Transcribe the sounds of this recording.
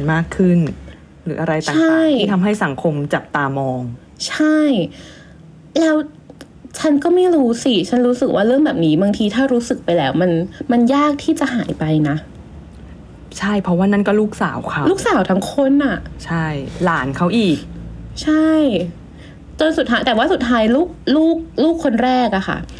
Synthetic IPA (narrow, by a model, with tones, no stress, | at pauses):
nmaː˥˩kʰːɯ˥˩n | ɾɯː˩˦ʔa˧ɾa˧jtt͡ɕaː˨˩a˥˨˥jiː˥˩t̪ʰa˧mɦa˥˩jsa˩˦ŋkʰo˧mt͡ɕa˨˩p̚t̪aː˧mɔː˧ŋ | t͡ɕʰa˥˩j | lɛː˦˥w | t͡ɕʰa˦˥nkɔː˥˩ma˥˩jɾuː˦˥si˧˩t͡ɕʰa˦˥nɾuː˦˥sɯ˨˩k̚waː˥˩ɾɯ˥˩əŋbɛː˨˩p̚niː˦˥baː˧ŋt̪ʰiː˧t̪ʰaː˥˩ɾuː˦˥sɯ˨˩k̚pa˧jlɛː˦˥wma˧nma˧njaː˥˩k̚t̪ʰiː˥˩t͡ɕa˨˩ʔɦaː˩˦jpa˧jna˦˥ | t͡ɕʰa˥˩jpʰɔ˦˥waː˥˩na˥˩nkɔː˥˩luː˥˩k̚sa̰ː˩˦wkʰa˦luː˥˩k̚saː˩˦wt̪ʰa˦˥ŋkʰo˦˥˩nʔa˨˩t͡ɕʰa˥˩jlaː˩˦nkʰa˦˥wʔiː˨˩k̚t͡ɕʰa˥˩j | t͡ɕo˧nsu˨˩t̪ʰːaː˦jt̪ɛː˨˩waː˥˩u˨˩t̪̚ʰːaː˦˥jluː˥˩k̚luː˥˩k̚luː˥˩kʰːo˧nɾɛː˥˩k̚ʔa˨˩xʰa̰˥˩